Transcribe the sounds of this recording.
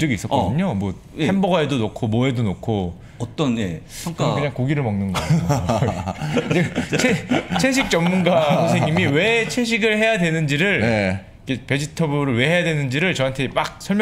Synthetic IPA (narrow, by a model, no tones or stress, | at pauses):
t͡ɕʌɡis͈ʌkʌdɯɲomwʌ | enbʌɡaedonokʰomʌedonokʰo | ʌt͈ʌneŋk͈kɯɲaŋkoɡiɾɯɭmaŋnɯnɡʌ | et͡ɕʰet͡ɕʰeɕʰik̚t͡ɕ͈ʌmːunɡakʰusʰeɲimiwe̞t͡ɕʰeɕ̬ʰiɡɯɭhe̞jadwe̞nɯnd͡ʑiɾɯɭ | ikʰepe̞d͡ʑitʰʌbuɾɯɭwe̞ɦe̞jadwe̞nɯnd͡ʑiɾɯɭt͡ɕʌɦantʰe̞mak̚sʰʌɭmj